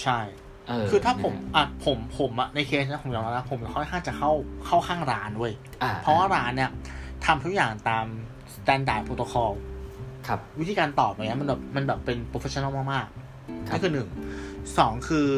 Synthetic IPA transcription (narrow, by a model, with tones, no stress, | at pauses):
t͡ɕʰa˥˩j | kʰɯː˧t̪ʰaː˥˩pʰo˩˦mʔa˨˩pʰo˩˦mpʰo˩˦mʔa˨˩na˧jkʰeː˦˥s̬ni˦˥pʰo˩˦jɔː˧ŋla˦˥a˦˥pʰo˨˩˦ma˨˩kʰɔ˥˩jkʰaː˥˩ŋt͡ɕa˨˩ka˥˩wkʰa˥˩wkʰaː˥˩ŋɾaː˦˥ndu˥˩əj | pʰɔ˦˥waː˥˩ɾaː˦˥nːi˥˩ɐt̪ʰa˧mt̪ʰu˦˥k̚jaː˨˩ŋt̪aː˧m | st̪ɛː˧˥ndaː˨˩jpʰoː˧t̪oː˧kʰɔː˧wʰ | wt̪ʰi˧kaː˧nt̪ɔː˨˩p̚na˨˩ŋn˦˥ma˧nbɛː˨˩p̚ma˧nbɛː˨˩pːe˧npɾo˧fʰe˦˥ɔ˧˥na˥˩˧maː˥˩maː˥˩k̚ | ni˥˩kʰɯː˧nɯ˨˩ŋsɔː˩˦ŋkʰɯː˧